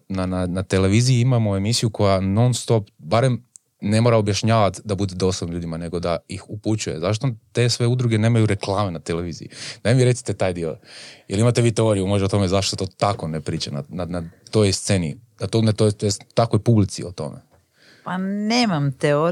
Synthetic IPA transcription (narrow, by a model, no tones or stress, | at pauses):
nananat̪ele̞ʋizijiimamoe̞misijukʰo̞jano̞nst̪o̞pbaɾem | ne̞mo̞ɾaobjaʃɲaːʋat̪d̪abud̪ed̪o̞slˠobnʎuːd̪imane̞ɡo̞d̪aixuput͡ɕuje̞̰zaʃ̬t̪ot̪e̞sʋe̞ud̪ɾuɡe̞ne̞ːmajuɾe̞klˠaːmenat̪ele̞ʋiːzḭjḭd̪amiɾe̞t̪si̥t̪et̪aːjd̪io̰jelimat̪eʋiːt̪eo̞ɾijumoʒeot̪o̞mezaʃt̪ot̪oːt̪ako̞nepɾiːt͡ɕana̰nanat̪o̞jst̪se̞nḭ | at̪ont̪ot̪ojt̪akojpublit̪sḭot̪o̞̰mḛ | paneːmamt̪eo